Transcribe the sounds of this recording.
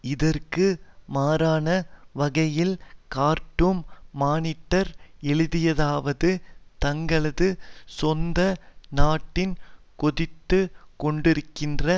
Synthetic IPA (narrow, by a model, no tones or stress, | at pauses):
ɪðɐrkɯmaːɾaːnɐʋɐɣɐjɪlkaːɾʈːɯmːaːnɪʈːɐɾɛɭɯðɪjɐðaːʋɐðɯt̪ɐŋɡɐɭɐðɯsɔnd̪ɐnaːʈːɪn | kɔðɪt̪ːɯkɔɳɖɪɾɯkːɪndrɐ